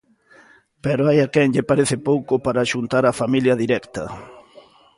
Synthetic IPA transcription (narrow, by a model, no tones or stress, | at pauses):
pɛɾoʊajakɛŋʎɪpaɾeθɪpowkʊpaɾaʃunt̪aɾafamiljɐðiɾɛkt̪ɐ